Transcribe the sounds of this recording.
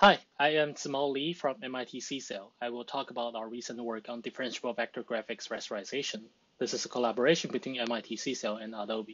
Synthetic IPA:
haɪaɪɨ̃msmɔlifɹʌ̃mɛ̃maɪtʰisiselˠaɪwɪlˠtʰɔkəbaʊtaʊəɹisə̃nʔwɜ˞kn̩dɪfəɹɨ̃nʃɔvæk̚tʰəɡɹæfɪksɹɛsəɹaɪzeɪʃə̃n | ðɪsɨzəkʰəlæbə˞eɪʃə̃nbɨtʰw̥ĩnɛ̃maɪtʰisiselˠɛ̃nadoʊbi

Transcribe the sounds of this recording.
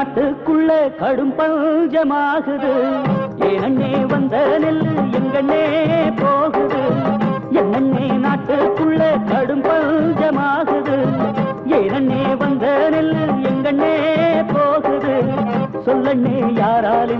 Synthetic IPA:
ʈːɯkːʊɭːɐkɐɽɯmpɐd͡ʒɐmaːɣɯðɯ | eːnɐɳːeːʋɐnd̪ɐnɪlːɯɛŋɡɐɳːeːpoːɣɯðɯ | ɛnːɐɳːeːnaːʈːɯkːʊɭːɐkɐɽɯmbɐd͡ʒɐmaːɣɯðɯ | eːnɐɳːeːʋɐnd̪ɐnɪlːɯɛŋɡɐɳːeːpoːɣɯðɯsɔlːɐɳːeːjaːɾaːlɯ

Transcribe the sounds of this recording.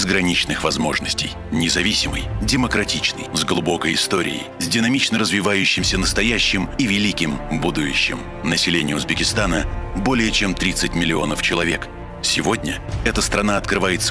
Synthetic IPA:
zɡɾɐnʲit͡ɕnɨxvɐzmo̞ʐnəsʲtʲɪ̰j | nʲɪzɐvʲisʲɪmɨ̰jdʲɪməkɾɐtʲit͡ɕnɨ̰jzɡlˠʊbo̞kəjɪst̪o̞ɾʲɪ̰ɪ̰jzʲdʲɪnɐmʲit͡ɕnəɾəzvʲɪvajʊɕːɪmsʲənəst̪ɐjaɕːɪmivʲɪlʲikʲɪmbud̪ʊjʊɕːɪ̰m | nəsʲɪlʲenʲɪjʊzbʲɪkʲɪst̪anəbo̞lʲɪjət͡ɕemt̪ɾʲit̪sɨtʲmʲɪlʲɪo̞̰nəft͡ɕɪlˠɐvʲe̞k | sʲɪvo̞dʲnʲə | ɛt̪əst̪ɾɐnaɐt̪kɾɨvajɪt̪sə

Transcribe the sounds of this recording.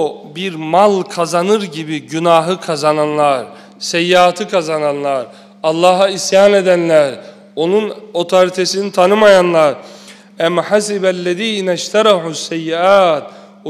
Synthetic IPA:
biɾmalˠkʰazanɯɾɟibiɟynaːɦɯkʰazananlˠaɾ | sɛjːiat̪ʰɯkʰazananlˠaɾ | ɑlˠːɑːɦaisjaːned̪ænlʲæɾ | o̞nuno̞t̪ʰoɾit̪ʰesinit̪ʰanɯmajanlˠaɾ | æmħasibælːɛðiːnɛʃt̪ʰaɾɑħusːɛjːiaːt̪̚

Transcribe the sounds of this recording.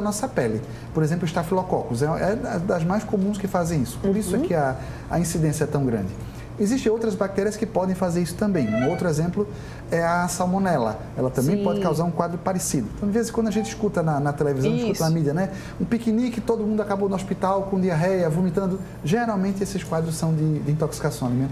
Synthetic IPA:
nɔsɐpɛlɪ | poɾezẽp̬lʊɪʃt̪afilɔkɔkʊzɛɛɐd̪ɐzmajskomũskɪfazẽj̃isʊ̥poɾisʊakɪɐ | ɐ̰ĩsid̪ẽsjɐɛt̪ɐ̃w̃ɡɾɐ̰̃nd͡ʒɪ | eziʃt̪ẽowt̪ɾɐzbak̚t̪ɛɾiɐskɪpɔd̪ẽj̃fazeɾisʊ̥t̪ɐ̃mbẽj̃owt̪ɾʊezẽmplʊ | ɛɐsalmõnɛlɐ̰ | ɛlɐt̪ɐ̃bẽj̃pɔd̃ɪkawzaɾũkwad̪ɾʊpaɾesid̪ʊẽt̪ɐ̃w̃ĩvezɪskwɐ̃d̪ʊaʒẽnt͡ʃ̪ɪi̥skut̪ɐnɐnɐt̪elevizɐ̃w̃ɪʃkut̪ɐnɐmidiɐnɛ | ũpikinikɪt̪od̪ʊmũd̪ʊakabonʊospit̪awkõd̪iɐɦɛjɐvumit̪ɐ̃nd̪ʊ | ʒeɾawmẽnt̪ɪesɪskwad̪ɾʊssɐ̃w̃d̪ɪd̪ɪĩnt̪oksi̥kasɐ̃w̃alimẽt̪

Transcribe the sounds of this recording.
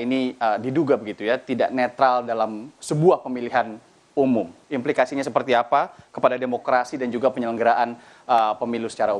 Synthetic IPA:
iniədiduɡabəɡit̪ujat̪idaʔnet̪ɾaldalamsəbuahpəmiliɦan | umʊmimplikasiɲasəpərt̪iapakəpadademokɾasidand͡ʒuɡapəɲələŋɡəɾaʔan | əpəmilusə̥t͡ʃaɾau

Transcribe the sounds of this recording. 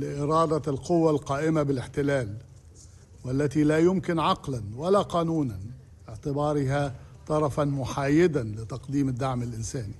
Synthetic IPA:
lɪʔɪɾɑːd̪alqʊwːalqɑːʔɪmabɪlɪħt̪ɪlaːl | walːat̪ilaːjʊmkɪnʕɑqlanwalaqɑːnuːnan | bɪʕt̪ɪbɑːɾɪɦa | t̪ˤɑɾˤɑfanmʊħaːjɪd̪anlɪt̪ɑqd̪iːmɪd̪ːaʕmɪlʔɪnsaːni

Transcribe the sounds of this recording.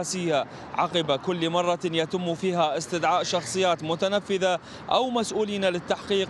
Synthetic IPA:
aːsɪjːa | ʕɑqɪbakʊlːmɑrˤːɑjat̪ɪmːufiːɦaʔɪst̪ɪd̪ʕaːʔʃɑxsˤɨjːaːt̪mʊt̪anafːɪða | ʔa̰wmasʔuːliːnalɪt̪ːaħqiːq

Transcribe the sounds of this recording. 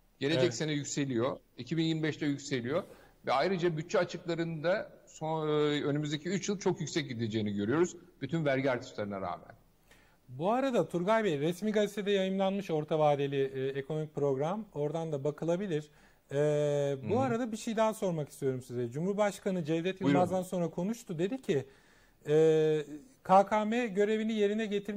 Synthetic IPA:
ɟ̥e̞led͡ʒɛcsenɛjycse̞lʲijo̞ | icʰibinjiɾmibɛʃt̪ʰɛjycse̞lʲijo̞vɛajɾɯd͡ʒabyt̚t͡ʃʰːɛat͡ʃʰɯklˠaɾɯnd̪asoønymyzd̪ecʰiyt͡ʃjɯlˠt͡ʃʰo̞kjycʲsɛc̚ɟid̪ed͡ʒe̞jːiniɟøɾyjo̞ɾuz̥b̥yt̪ʰynvæɾɟiaɾt̪ʰɯ̥ʃlˠaɾɯnaɾa̰ːmæ̰n | buaɾad̪at̪ʰuɾɡajbeɾɛsmiːɡazʲet̪ʰed̪ɛjajɯmlˠanmɯʃo̞ɾt̪ʰavaːd̪e̞lʲiekʰo̞no̞mic̚pɾo̞ɡɾamo̞ɾd̪and̪abakʰɯlˠabilʲiɾ̥ | ɛbuaɾad̪abiʃejd̪ænso̞ɾmaki̥st̪ʰijo̞ɾumsizɛd͡ʒumhuɾbaʃkanɯd͡ʒɛvd̪ɛt̪jɯlmazd̪anso̞nɾakʰo̞nuʃt̪ʰud̪e̞d̪icʰɪ | ɛː | kʰaːkʰaːmɛɟø̞ɾe̞vinije̞ɾinɛɟe̞t̪ʰiɾ

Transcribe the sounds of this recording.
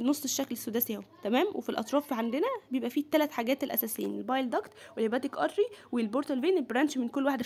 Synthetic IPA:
nosˤːeʃːæklesːod̪æsihæwt̪æmæːmwḛfilʔɑ̰t̪ˤɾˤɑːfʕand̪enæbejebʔæfit̪ːælæt̪ħaɡæːt̪elʔæ̰sæːsejːænelbɑjld̪ɑkt̪welhebæːt̪ikʔɑ̰t̪ˤɾiwelboɾt̪ælveːnelbɾæːnʃmenkolːwaħed̪æ

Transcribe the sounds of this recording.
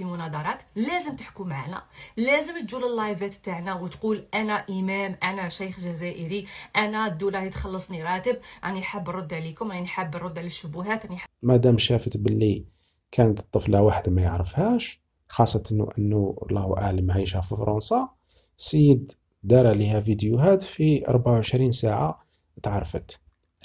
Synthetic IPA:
imʊnɑd̪ˤɑɾˤɑt̪læzəmt̪əħkumʕa̰næ̰læzəmt̪ʒuləlːɑjvæt̪t̪aʕnæwət̪qulʔænæʔəmæmʔænæʃæjxʒæzæʔəɾiʔænæd̪ːulɑɾit̪xɑlːəsˤniɾˤɑt̪əb̚ʕa̰niħəbːrˤod̪ːʕlikʊmʔaninħəbːˤʊd̪ːʕlæʃːʊbʊɦæt̪niħmæd̪æmʃæfət̪bəlːi | kʰænət̪t̪ˤːəflæwaħəd̪mæjəʕɾəfhæʃ | xɑsˤːɑt̪ən̰ʔənːulˤɑhuʔaʕləmʕiʃhæfifɾˤunsˤɑ | səjːəd̪ | d̪ɑɾˤɑʕlihæfid̪juɦæt̪fiʔɑ̰ɾˤbaʕawʕəʃɾinsaʕa | t̪ʕɑɾˤfə̰t̪

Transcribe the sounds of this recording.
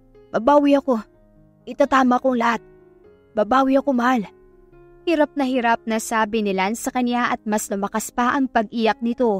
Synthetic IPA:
b̥ɐbaːwɪɐko̞ | ʔɪt̪at̪aːmɐkoŋlɐhat̪̚ | bɐbaːwɪɐkomal | hiɾap̚nɐhiɾap̚nɐsaːbɪnɪlansɐkɐnjaʔɐt̪̚mɐslʊmɐkaspɐʔɐŋpɐɡ̚ʔiːjɐk̚nɪt̪o̞

